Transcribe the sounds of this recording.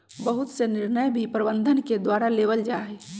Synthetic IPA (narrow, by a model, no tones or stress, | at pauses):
bəɦut̪senɪɾnəjbʱipɾəbənd̪ʱənked̪waɾaleʋəld͡ʒaːɛ